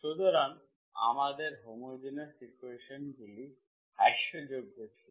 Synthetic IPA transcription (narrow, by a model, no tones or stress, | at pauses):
ʃod̪oɾan | a̰mad̪eɾɦomud͡ʑinasikueʃonɡuli | aʃod͡ʑoɡɦojet͡ɕʰil